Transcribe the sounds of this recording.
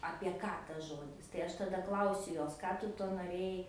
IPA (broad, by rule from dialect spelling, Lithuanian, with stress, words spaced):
ɐpʲiɛ ˈkɑː tɐs ˈʒoːdʲɪs tɐɪ ˈɐʃ tɐˈdɐ ˈklˠɐʊsʲʊ ˈjoːs ˈkɑː tʊ ˈtuɔ noːˈrʲeːjɛɪ